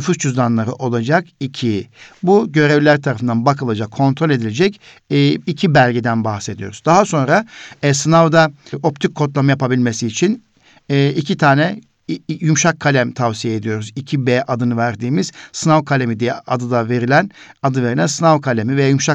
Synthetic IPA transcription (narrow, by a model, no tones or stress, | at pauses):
nfust͡ʃʰuzd̪anlˠaɾɯʔo̞lˠad͡ʒakicʰibuɟø̞ɾevlʲæɾt̪ʰaɾafɯnd̪anbakʰɯlˠad͡ʒakʰːo̞nt̪ʰɾo̞lʲe̞d̪ilʲe̞d͡ʒɛcː | icʰibælʲɟid̪ænbaxse̞d̪ijo̞ɾuzd̪aɦaso̞nɾaɛsɯnavd̪ao̞pt̪ʰik̚ʰːo̞t̪̬lˠamɯjapabilʲme̞siːt͡ʃʰinː | icʰit̪ʰaːnɛ | jumʃakʰːalʲæmt̪ʰavsijeeːd̪ijo̞ɾuzicʰibɛːʔad̪ɯnɯvæɾd̪iːmiz̥sɯnavkʰalʲemid̪ijɛ̰ʔad̪ɯd̪ave̞ɾilʲænad̪ɯve̞ɾilʲænsɯnavkʰalʲemivejajumʃa